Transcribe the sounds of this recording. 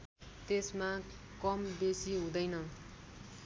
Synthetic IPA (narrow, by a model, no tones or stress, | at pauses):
t̪esma | kʌmbesiɦũd̪ʌjnʌ